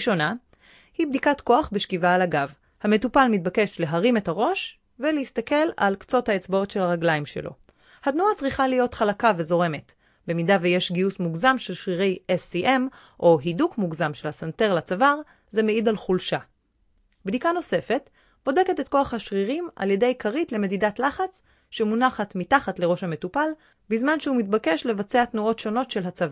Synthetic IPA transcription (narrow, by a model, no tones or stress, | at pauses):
ʃo̞na | hibdikatko̞aχbe̞ʃkivaːlaɡav | hame̞tupalmit̚bake̞ʃle̞ɦaʁime̞thaʁo̞ʃ | velehist̪ake̞la̰lkt͡so̞thaet͡sbao̞tʃe̞laʁaɡlaimʃe̞̰lo̞̰ | hatnuat͡sʁiχalijo̞tχalakave̞zo̞ʁe̞me̞t | be̞midaveje̞ʃɡiusmuɡzamʃe̞lʃʁiʁe̞jesiʔem | ʔo̞ɦidukmuɡzamʃe̞lhasante̞ʁlat͡savaʁ | ze̞meidalχulʃa | bdikano̞se̞fe̞t | b̥o̞de̞ke̞te̞tko̞aχhaʃʁiʁima̰lje̞de̞jkʰaʁitle̞me̞didatlaχat͡s | ʃe̞munaχatmitaχatle̞ʁo̞ʃhame̞tupal | bizmanʃeumitbake̞ʃle̞vat͡seatnuo̞tʃo̞no̞tʃe̞lɦat͡sava